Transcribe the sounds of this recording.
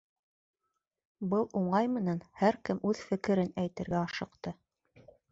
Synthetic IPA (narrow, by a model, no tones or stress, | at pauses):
bɤlˠuɴɑjmɘ̆nænhæɾkɘmʉðfɘ̆kɘ̆ɾɘnæjt̪ɘ̆ɾɡæɑʃɤ̆qt̪ɤ